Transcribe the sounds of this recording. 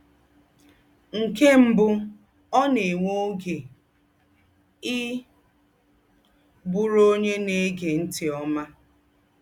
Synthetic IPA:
ŋ̩˨ke˦m̩˦bʊ˦ | ɔ˦ne˨ŋʷo˦ɡe˨ | ɪ˦ | bʊ˦ɾo˦ɲe˦ne˦ɡe˨n̩˦tɪ˨ɔ˦ma˦

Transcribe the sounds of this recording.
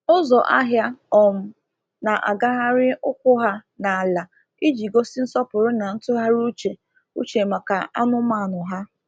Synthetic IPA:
ʊ˦zɔ˨ʔa˦ɦja˦ɔ˨m̩˨ | na˨ʔa̰˨ɡa˦ɦa˦ɾɪ˦ʊ˦kʷʊ˦ɦa˦na˨la˨ | i˦d͡ʒi˨ɡo˦si˦n̩˦sɔ˦pʊ˨ɾʊ˦na˨n̩˦tʊ˦ɦa˦ɾu˦t͡ʃe˨ | ṵ˦t͡ʃe˨ma˨ka˨a̰˦nʊ˦ma˦˨nʊ˨ɦa˦

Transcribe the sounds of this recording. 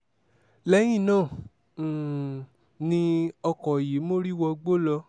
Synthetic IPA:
lɛ˦j̃ĩ˦˨nãː˦˨ | nĩ˧ɔ˧kɔ˨ji˨˦mo˦ɾi˦˨wɔ˧ɡ͡bo˦lɔ˧

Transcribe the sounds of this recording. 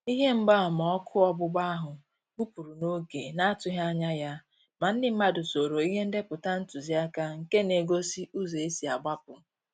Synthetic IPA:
i˦ɦe˦m̩˦ɡ͡ba˦˨mɔ˨ɔ˦kʰʊ˦ɔ˦bʊ˦ɡ͡ba˦ɦʊ˨ | bu˦pu˨ɾu˨no˦ɡe˨na˦a˦tʊ˦ɦa˦ɲa˦ja˦ | ma˨n̩˦dɪ˨m̩˦ma˦dʊ˨so˨ɾo˨i˦ɦe˦n̩˦de˦pʊ˨ta˦n̩˦tu˨zi˦a˦ka˦ŋ̩˨ke˦ne˨ɡo˦si˦ʔu˦ze˨e˦si˨a˨ɡ͡ba˦pʊ˨

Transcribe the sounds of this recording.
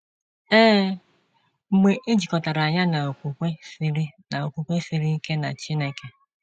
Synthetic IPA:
eː˦ | m̩˨mʷe˨ʔe˦d͡ʒi˨kɔ˨ta˨ɾa˨a˨ɲa˦na˨o˨kʷu˨kʷe˦si˦ɾi˦na˨o˨kʷu˨kʷe˦si˦ɾi˦i˦ke˦na̰˨t͡ʃi˦ne˨ke˨

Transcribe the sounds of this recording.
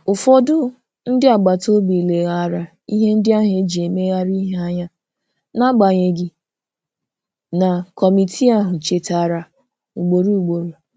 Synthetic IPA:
ʊ˨fɔ˦dʊ˦ | n̩˦dɪ˦a˨ɡ͡ba˨to˦bi˨le˨ɣa˨ɾa˨ | i˦ɦe˦n̩˦dɪ˦a˦ɦe˨˦d͡ʒi˨e˨me˦ɣa˦ɾi˦ɦe˦a˦ɲa˦ | na˦ɡ͡ba˨ɲe˨ɡi˨ | na˨kɔ˨mi˨tʰi˦a˦ɦʊ˨t͡ʃe˨ta˨ɾa˨ | u˨ɡ͡bo˨ɾu˦u˨ɡ͡bo˨ɾu˨

